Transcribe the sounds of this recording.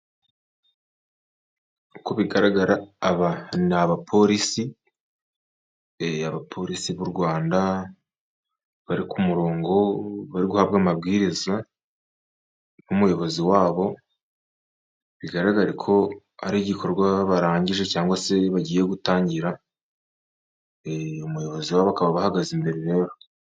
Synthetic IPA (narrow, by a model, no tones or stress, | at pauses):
uko̞βiɡaɾaɡaɾaːβanaβapʰo̞ɾisi | eaβapʰo̞ɾisiβuɾɡwaːnda | βaɾikumuɾo̞ːŋɡo̞βaɾiɡuhaβɡamab̚ɡiːɾiza | βumujo̞βo̞ziwaːβo̞ | βiɡaɾaɡaɾikʰo̞ | a̰ɾiːɟikʰo̞ɾɡwaβaɾaːɲɟiʒe̞caːŋɡwase̞βaɟiːje̞ɡutaːɲɟiɾa | eumujo̞βo̞ziwaːβoakaβaβahaɡazimbe̞ɾeɾe̞ːɾo̞